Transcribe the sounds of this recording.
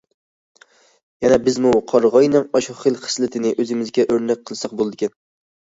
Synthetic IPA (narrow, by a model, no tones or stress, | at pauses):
janabɪzmʊqʰɒɾʁɒjnɪŋɒʃuχɨlˠχɨ̥slˠɪt̪ʰɪnɪʔɵzɪmɪzɡʲaʔɵɾnak̚ʲqʰːɨlˠsɑq̚bolˠd̪ɪkʲan